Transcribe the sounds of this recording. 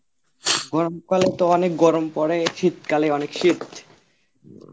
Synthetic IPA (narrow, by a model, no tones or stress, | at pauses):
ɡɔɾomkalet̪oɔnek̚ɡɔɾompɔɽeʃit̪ːkaleɔnekʃit̪